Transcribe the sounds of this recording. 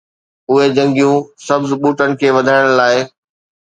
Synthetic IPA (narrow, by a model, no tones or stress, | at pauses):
ʊɦed͡ʑɐ̃ŋɡijũsɐbzɓuːʈənɪ̆kʰeːʋɐd̪ʱaːɪɽ̃laːɪ